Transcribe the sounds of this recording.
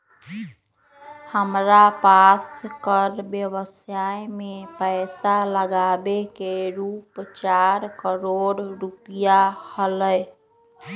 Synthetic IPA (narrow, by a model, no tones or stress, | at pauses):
həmɾapaskəɾbjəbəsajmepəɪsaləɡabekeɾupt͡ʃaɾkəɾoɽɾupijahələj